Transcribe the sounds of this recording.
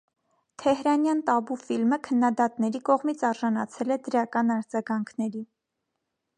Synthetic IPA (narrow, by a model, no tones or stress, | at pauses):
t̪ʰɛɦɾɑnjɑnt̪ɑbufilməkʰənːɑd̪ɑt̪nɛɾikɔʁmit͡sʰɑɾʒɑnɑt͡sʰɛlɛd̪əɾɑkɑnɑɾd͡zɑɡɑŋkʰnɛɾi